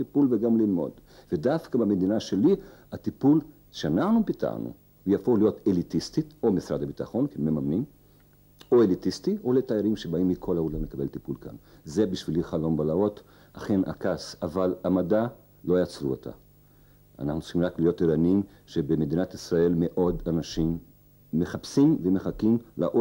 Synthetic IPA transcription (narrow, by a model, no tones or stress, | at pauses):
t̪ipulveɡamlilmo̞̰dvedafkabame̞d̪inaʃe̞liat̪ipul | ʃeanaχnupita̰nṵ | jafolijo̞t̪elitist̪ito̞misɾad̪abitaχo̞nkeememamnim | o̞e̞litistio̞le̞t̪aaɾimʃe̞baimːikʰo̞laulamlekabe̞lt̪ipulka̰nze̞biʃviliχalo̞nbalao̞t̪ | aχe̞na̰kasavalamada | lo̞jat͡sɾuot̪ʰa̰ | a̰naχnutt͡siχimʁaklijotiɾanim | ʃe̞beme̞d̪inat̪isʁae̞lme̞ʔo̞danaʃimː | e̞χapsimveme̞χakimla̰ʔo